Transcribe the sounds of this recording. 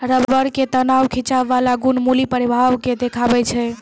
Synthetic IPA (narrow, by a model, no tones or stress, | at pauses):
ɾəbbəɽket̪ənawkʰit͡ʃaʋːalaɡunmulipəɾibʱaʋked̪ekʰabɛt͡ʃʰɛ